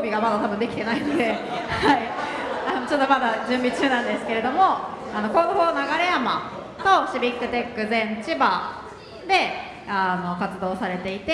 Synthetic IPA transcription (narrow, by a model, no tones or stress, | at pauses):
obʲiɡamad̪at̪abɯ̟nd̪e̞kʲi̥t̪e̞nainod̪e̞ | haianot͡ɕo̞t̪ːo̞mad̪ad͡ʑɨ̃mbʲit͡ɕɨːnãnd̪e̞sɨ̥ke̞ɾe̞d̪o̞mo̞ | ano̞ko̞ːd̪oho̞ːnaɡaɾe̞jama̰ | t̪o̞ɕibʲikːɯ̟t̪e̞kːɯ̟zẽ̞nt͡ɕiba | d̪e̞ | ano̞kat͡sɨd̪o̞ːsaɾe̞t̪e̞it̪e